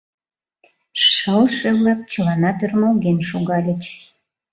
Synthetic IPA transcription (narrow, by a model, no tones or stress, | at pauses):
ʃəlʃeβlɑk̚t͡ɕəlɑnɑt̪ørmolɡenʃuɣɑlʲət͡ɕ